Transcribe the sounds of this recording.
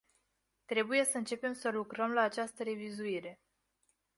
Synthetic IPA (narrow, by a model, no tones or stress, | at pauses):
t̪ɾe̞buje̞səɨnt͡ʃe̞pe̞msəlukɾəmlaːt͡ʃast̪əɾe̞vizuiɾe̞